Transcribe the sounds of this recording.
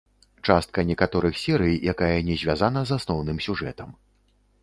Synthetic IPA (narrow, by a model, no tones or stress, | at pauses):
t͡ʂast̪̚kɐnʲɛkat̪ɔɾɨxsʲɛɾɨjjakajɛnʲɛzʲvʲazanɐzasnɔwnɨmsʲuʐɛt̪ɐm